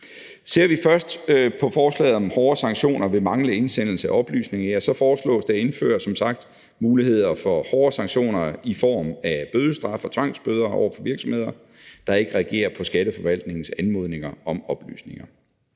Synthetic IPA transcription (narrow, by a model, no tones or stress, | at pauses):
se̝ɐ̰ʋifɶɐsd̥pʰɒ̽fɒːslɛ̰ːð̩ˠɒ̽mhɒːɐsɑ̈ŋɕo̝̰ːnɐʋe̝mɑ̈ŋləe̝nsen̰l̩səæɒ̽b̥ly̰ːsne̝ŋɐjæsɒ̽fɒːslɔ̰̽ːsd̥ee̝nfø̰ːɐsɒ̽msɑ̈ɡ̥̚d̥ | muːlihe̝ð̞̰ˠɐfɒ̽hɒːɐsɑ̈ŋɕo̝̰ːnɐifɒ̰ːmæb̥øðˠəsd̥ʁɑ̈fɒ̽t͡sʰʋɑ̈ŋ̰sb̥øð̞ˠɐɒʊ̰ɐfɒ̽ʋiɐɡ̥sɒmhe̝ð̰ˠɐ | d̥ɑ̈e̝ɡ̥əʁɛæɡ̥e̝̰ːɐpʰɒ̽sɡ̥æɾəfɒ̽ʋæl̰d̥ne̝ŋn̩sænmo̝ð̞̰ˠne̝ŋɐɒ̽mɒ̽b̥ly̰ːsne̝ŋɐ